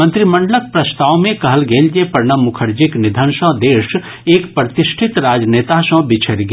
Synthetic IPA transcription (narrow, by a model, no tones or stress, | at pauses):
mə̃nt̪ɾimə̃ɳɖələk̚pɾɐst̪aːwmẽkɐɦəlɡeːld͡ʒepɐɾɳəmʊkʰəɾd͡ʒiknɪd̪ʱənsə̃d̪eːʃ | eːkpɾət̪ɪʃʈʰɪt̪ɾaːd͡ʒneːt̪asə̃bɪt͡ʃʰeɾɡe